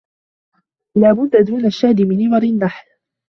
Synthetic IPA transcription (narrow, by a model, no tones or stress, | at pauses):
laːbʊd̪ːad̪uːnaʃːaʕd̪ɪmɪnɪwɑɾɪnːaħl